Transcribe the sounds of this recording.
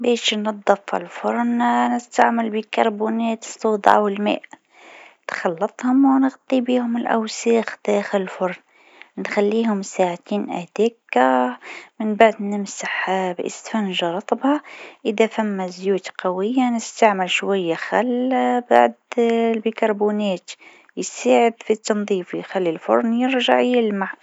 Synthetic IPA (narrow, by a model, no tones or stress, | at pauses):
biʃnɑd̪ˤːɑfa̰lfʊɾˤnnəst̪aʕməlbikɑɾˤbunæt̪sˤːuːd̪ʕa̰wəlmḛːʔ | t̪xɑlːɑt̪ˤhʊmwnəɣt̪ˤibihʊməlʔæ̰wsiːxd̪̥æxələlfʊɾˤn | nxælːiːhʊmsaʕt̪iːnʔæ̰d̪̥ækamɪnbaʕd̪nɪmsaħbʔɪ̰st̪fænʒɑɾˤɑt̪ˤbhɑʔɪðafæmːazjuːt̪qɑwɪjːanɪst̪aʕmɪlʃwajːaxælːaba̰ʕd̪lbikɑɾˤbunæːt̪ | jsaːʕɪd̪fit̪ːɑnðˤiːfjxælːilfʊ̰ɾˤnjɪɾʒa̰ʕjɪlmaʕ